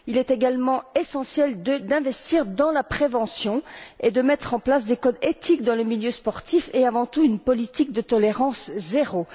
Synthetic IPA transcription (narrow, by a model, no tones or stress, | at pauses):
ilɛt̪eɡalmɑ̃esɑ̃sjɛld̪əd̪ɛ̃vɛst̪iʁd̪ɑ̃lapχevɑ̃sjɔ̃ed̪əmɛt̪χɑ̃plasd̪ekɔd̪et̪ikd̪ɑ̃ləmiljøspɔʁt̪ifeavɑ̃t̪uynpɔlit̪ik̚d̪ət̪ɔleʁɑ̃szeʁo